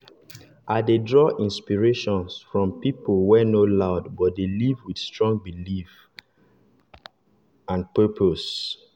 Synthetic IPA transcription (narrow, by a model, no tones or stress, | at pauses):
ʔadedɹɔʔĩnspiɹeʃɔ̃nsfɹɔ̃mpipolwɛnolaʊdbɔt̚delivwid̥stɹɔ̃ŋɡbilif | ãnpɜpʰos